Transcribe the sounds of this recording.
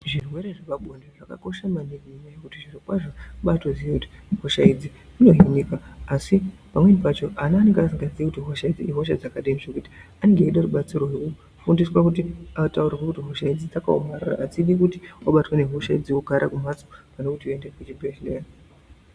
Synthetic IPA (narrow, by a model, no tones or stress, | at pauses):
ʐirwe̞ɾeʐakaɓʱondaʐaka̰ko̞ʃamaniɡiiɲajekutiʐirokwaʐaɓato̞d͡zijekuti̥ɦo̞ʃaid͡zi | ino̞ɦinikaːsipamwe̞nipat͡ʃo̞ʔanaaːne̞ŋɡeasiŋɡad͡ziekutiɦoʃaid͡ziiɦo̞ʃa̰d͡zakaɗemiʃekuti̥aneŋɡeːɗaruɓat͡siro̞ɦeku | fundiswakutiataurirwakutiɦo̞ʃaid͡zid͡zaka̰omarura̰ʔːt͡siɗikutiwaɓatwane̞ɦo̞ʃaḭd͡ziokuɡʱaɾʔa̰kum̤at͡sopanekutiendeket͡ʃibʱe̞ɦlera